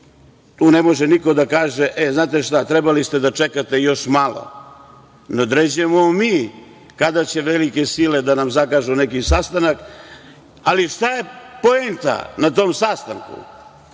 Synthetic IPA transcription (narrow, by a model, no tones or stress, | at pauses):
t̪uːnemo̞ʒeniko̞d̪akaːʒeʔeznaːt̪e̞ʃt̪at̪ɾebalist̪ed̪at͡ʃekat̪e̞jo̞ʃmalo̰ | nod̪ɾed͡ʑemomiː | kad̪at͡ɕe̞ʋelike̞sile̞d̪anamzakaʒunekisast̪anak | aliʃt̪aje̞poent̪a̰nat̪omsast̪aŋkṵ